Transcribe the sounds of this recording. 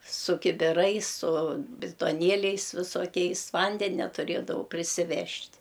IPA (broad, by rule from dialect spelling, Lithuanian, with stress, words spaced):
sʊ kʲɪbʲɪˈrɐɪs sʊ bʲɪtoːˈnʲiɛlʲɛɪs ʋʲɪsoːˈkʲɛɪs ˈʋɐnʲdʲɛnʲɛ tʊˈrʲeːdɐʋɐʊ pʲrʲɪsʲɪˈʋʲɛʃʲtʲ